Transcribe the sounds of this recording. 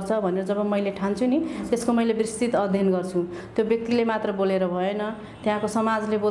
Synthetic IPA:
rt͡sʰʌbʱʌneɾʌd͡zʌβʌmʌjleʈʰant͡sʰunit̪eskomʌjlebrist̪it̪ʌd̪ʱjʌnɡʌrt͡sʰũ | t̪jobjʌk̚t̪ilemat̪rʌboleɾʌbʱʌenʌ | t̪jãkosʌmad͡zlebo

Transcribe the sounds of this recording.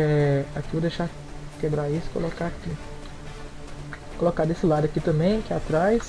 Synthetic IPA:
ɛakivod̪eʃa | kebɾaisʊɪ̥ko̰lokaki | kolokad̪esɪlad̪ʊakit̪ɐ̃mbẽj̃kɛat̪ɾajs

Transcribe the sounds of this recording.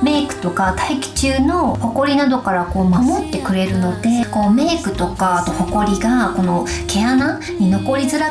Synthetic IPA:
me̞ːkɯ̟̥t̪o̞kat̪aikʲi̥t͡ɕɨːno̞ho̞ko̞ɾʲinad̪o̞kaɾako̞ːmamo̞t̪ːe̞kɯ̟ɾe̞ɾɯ̟no̞d̪e̞ko̞ːme̞ːkɯ̟t̪o̞kaːt̪o̞ho̞ko̞ɾʲiɡako̞no̞kʰe̞ana | ɲ̟ino̞ko̞ɾʲizɨɾa

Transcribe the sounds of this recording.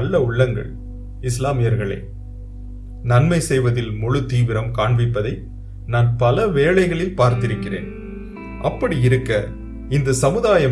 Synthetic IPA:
lːɐʊɭːɐŋɡɐ̰ɭ | ɪslaːmɪjɐɾɣɐɭɐ̰ː | nɐnmɐɪsɛjʋɐðɪlmɔɻɯt̪iːʋɪɾɐmkaːɳʋɪpːɐðɐɪ | naːnpɐlɐʋeːɭɐɪɣɐɭɪpaːɾt̪ɪɾɯkːɪrḛːn | ʔɐpːɐɽiɪɾɯkːɐ | ɪnd̪ɐsɐmɯðaːjɐ

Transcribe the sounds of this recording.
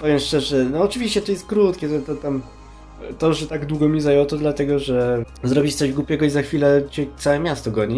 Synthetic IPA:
pɔvjɛmʂt͡ʂɛʐɛnɔːt͡ʂɨvʲiɕt͡ɕɛt̪ɔjɛst̪̚kɾut̪kʲɛʐɛt̪ɔt̪am | t̪ɔʐɛt̪aɡd̪wuɡɔmʲizajɔwt̪ɔd̪lat̪ɛɡɔʐɛ | zɾɔbʲit͡ɕt̪sɔʑɡwupʲɛɡɔizaxfʲilɛt͡ɕɛt̪sawɛmʲjast̪ɔɡɔɲi

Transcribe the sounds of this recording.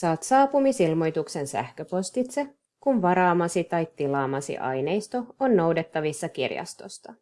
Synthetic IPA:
sɑːt̪sɑːpumisilmo̞jt̪ukse̞nsæ̰hkøpo̞st̪it̪se̞ | kunʋɑɾɑːmɑsit̪ɑjt̪ilɑːmɑsḭʔɑ̰jne̞jst̪o̞onːo̞wdet̪ːɑʋisːɑkirjɑ̰st̪o̞̰st̪ɑ

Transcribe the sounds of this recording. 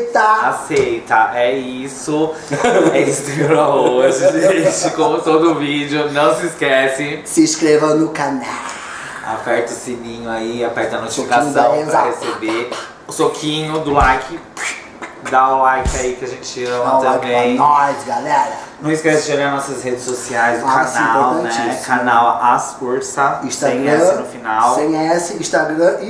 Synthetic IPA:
t̪aasejt̪ɐʔɛisʊ | ɛisʊkɾvelaoʒɪʒẽt͡ʃɪkõmʊt̪od̪ʊʊvid͡ʒɪʊnɐ̃w̃sɪːskɛsɪsɪʃkɾevɐ̃nʊkanaw | a̰pɛɾt̪ɐesɪmĩɲʊaiapɛɾt̪ɐnot͡ʃsfikãɲsɐãahesebe | ʊsokʰĩɲʊd̪ʊlajkʰɪ | d̪aʊlajkɪaikɪaʒẽnt͡ʃɪɐ̃mɐt̪ɐ̃jbbẽj̪̃ɔjzɡalɛɾɐnɐ̃w̃iskɛsɪʃeɡaɾnɔsɐshed͡ʒɪsosiajzkaaniãpoɾwt̪ɐ̃nɛt͡ʃt͡ʃikanawasuɾsɐĩʃt̪ãj̃ɡɐɛ̃nʊfinawsẽj̃ɛsɪĩʃt̪aɡɾɐ̃i

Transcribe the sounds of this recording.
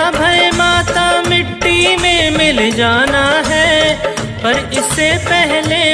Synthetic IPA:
bʱɐemaːt̪amɪʈːimẽmɪld͡ʒaːnaɦɛː | pɐɾɪsːepɛɦle

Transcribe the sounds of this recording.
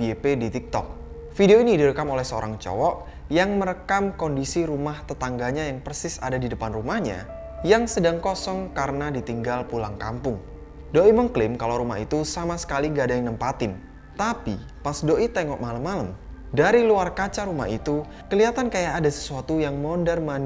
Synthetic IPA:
iepedit̪ik̚t̪ɔ̰k̚ | fideoinidiɾəkamolɛhsəo̰ɾa̰ŋt͡ʃɔ̰wɔʔ | jaŋməɾəkamkondisiɾumaht̪ət̪aŋɡaɲajaŋpərsɪsa̰dadidəpanrumahɲa̰ | jaŋsədaŋkɔsɔŋkaɾənadit̪iŋɡalpulaŋkampʊŋ | doʔiməŋklɪmkalawɾuma̰ɦḭt̪usamasə̥kaliŋɡadaŋnəmpat̪ɪn | t̪apḭ | pasdoʔit̪ɛŋɔʔ̚maləmːaləm | daɾiluarkat͡ʃaɾuma̰hḭt̪u | kəliat̪ankajaʔːdasə̥suat̪ujaŋmɔndɛrman

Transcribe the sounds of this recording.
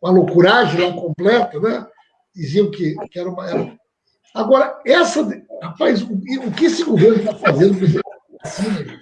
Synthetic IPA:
alokuɾaʒẽj̃lakõmplɛt̪ɐnɛ | d̪iziɐ̃wkɪkɪɛɾɐũmɐɛɾũ | aɡɔɾɐɛsɐd̪hapajzʊʊkɪesɪɡoveɾnʊt̪afazẽnd̪ʊpɾeseasĩnɐ

